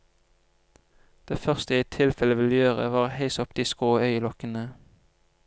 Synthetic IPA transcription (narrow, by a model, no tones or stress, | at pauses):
d̪̥eːfœʁst̪əiːt̪ʰɪlfɛləʋɪljøːʁə̰ʋɑːʁheɪsɔpd̪̥iːskoːœʏlɔkənə